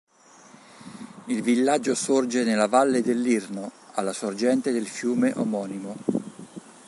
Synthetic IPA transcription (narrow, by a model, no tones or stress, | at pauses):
ilvilːad͡ʒːosord͡ʒenelːavalːed̪elːirno | alːasord͡ʒɛnt̪ed̪elfjuːmeʔomɔːnimo